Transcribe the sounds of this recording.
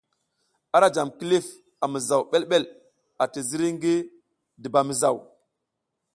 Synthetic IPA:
a˦ɾa˦d͡ʒa˨mki˦li˦f | a˨mi˨za˨wɓe˦lɓe˦l | a˨ti˨zi˦ɾi˦ŋɡi˦ | di˨ba˨mi˨za˨w

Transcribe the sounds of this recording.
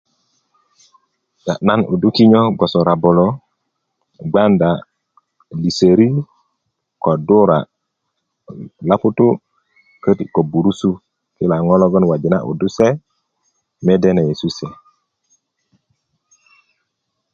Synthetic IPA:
ja˨ʔna˦nṵ˨du˦ki˦ɲo˦ɡo˨sɔ˨ɾa˨bɔ˨lɔ˦ | ɡ͡ba˦nda˨ | li˨se˨ɾi˦ | ko˨du˦ɾa̰˨ | la˦pu˦tu˦ | kə˦ti˨ko˨bu˨ɾu˦su˦ | ki˦la˨ŋɔ˦lɔ˦ɡɔ˦nwa˨d͡ʒi˨na̰˦ʔṵ˨du˦se˦ | me˦de˦na˨je˨su˦se˨

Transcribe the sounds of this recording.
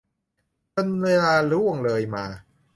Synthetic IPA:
t͡ɕo˧nweː˧laː˧lu˥˩əŋlɤː˧jmaː˧

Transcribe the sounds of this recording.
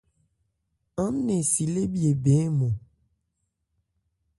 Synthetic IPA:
ã˦m˦nẽ˨si˨le˦bi˦e˨be˨˦mõ˨

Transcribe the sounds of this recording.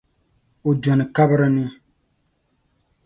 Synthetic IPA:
o˨dɔ˨nɨ˨ka˦bɨ˦ɾɨ˦nɪ˦

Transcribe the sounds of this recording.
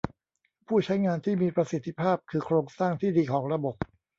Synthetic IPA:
pʰuː˥˩t͡ɕʰa˦˥jŋaː˧nt̪ʰiː˥˩miː˧pɾa˧si˨˩t̪ʰːi˦˥pʰaː˥˩p̚kʰɯː˧kʰɾoː˧ŋsaː˥˩ŋt̪ʰiː˥˩diː˧kʰɔː˩˦ŋɾa˧bo˨˩p̚

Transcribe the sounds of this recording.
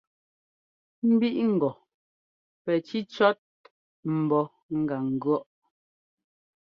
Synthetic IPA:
m̩˦bi˦ʔŋ̩˨ɡɔ˨ | pɛ˨t͡ʃi˦t͡ʃɔ˦t̚ | m̩˨bɔ˨ | ŋ̩˦ɡa˨ŋ̩˨ɡɰɔ˦ʔ

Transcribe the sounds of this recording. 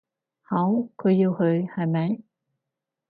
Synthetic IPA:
ha˨˦wkʰo˨˧ji˧whɵ˨˥jha˨˩jmɛ˨˩j

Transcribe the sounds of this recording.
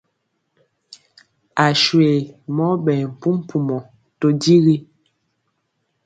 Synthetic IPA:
a˨ʃwe˨mɔ˦ɓɛ˨m̩˨pu˦m˦pʰu˨mɔ˨ | to˨di˦ɣi˦

